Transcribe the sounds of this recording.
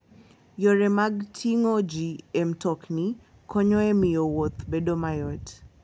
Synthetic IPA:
jɔɾɛmaɡtʰiŋod͡ʒiɛmtɔkni | kʰɔɲɔɛmɪjowot̪bedomajɔt

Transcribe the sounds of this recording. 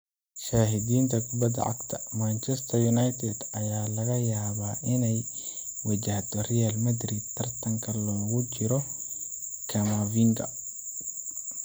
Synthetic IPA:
ʃaːɦɪdiːnt̪ʰɐkʊbɐd̪ɐ̰ʔɐ̰ɡt̪ʰɐmant͡ʃɛst̪ʰɐjunajt̪ʰɛd̪ɐjaːlɐɣɐjaːβaːʔɪnɛj | wɐt͡ʃɐht̪ʰɔrijalmɐd̪rid̪̚t̪ʰːɐrt̪ʰɐŋkʰɐlɔːɣʊt͡ʃɪɾɔ | kʰɐmaviːŋɡ̪ʰɐ̰

